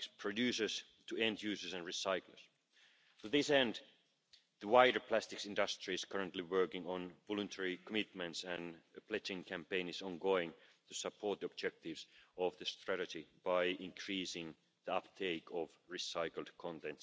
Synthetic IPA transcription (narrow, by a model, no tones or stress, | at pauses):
spʰɹ̥ɨdjʉːsə˞z̥ | tʰɨɛ̃ndjʉːsə˞sɨ̃nɹisaɪklə̰˞s | tɨðɪsɛ̃nd̪ | ðəwaɪɾə˞pʰl̥æst̪ɪksɪ̃ndʌstɹ̥iɨz̥kʰʌɹə̃ntˡliwɜ˞kɪ̃ŋə̃nvɔlɨ̃ntʰɛɹikʰəmɪt̪̚mɨ̃ntsɨ̃npʰlɛt͡ʃɪ̃ŋkʰæ̃mpẽɪ̃nɪzɔ̃nɡoʊɪ̃ŋt̪ʰɨsəpʰɔɹt̪̚ðiɔb̚d͡ʒɛk̚tɪvz̥ɔvðɨstɹ̥æɾɨd͡ʒib̥aɪʔɪ̃nkʰɹ̥iːsɪ̃ŋ | ðiʌpt̪ʰeɪkʰɔvɹisaɪkl̩ˠd̥̚kʰɑ̃nt̪ɛ̃nts